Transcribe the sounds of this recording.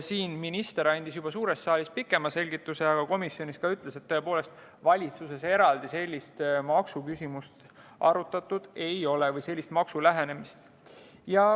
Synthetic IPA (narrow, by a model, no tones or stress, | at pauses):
siːnminist̪e̞ɾɑnʲd̪̥isjub̥ɑsuːɾe̞st̪ːsɑːlʲispikːˑe̞mɑse̞lʲɡit̪ːˑuse̞ɑɡ̥ɑko̞misjonʲiskɑyt̪ːˑle̞se̞t̪ːoe̞po̞ːle̞st̪ | vɑlʲit̪susese̞ɾɑld̪ise̞lʲːist̪mɑksukysimust̪ | ʔɑ̰ɾut̪ːˑɑt̪ːˑud̪̥e̞jo̞levɤjse̞lʲːist̪mɑksulæɦe̞ne̞mist̪ | jɑ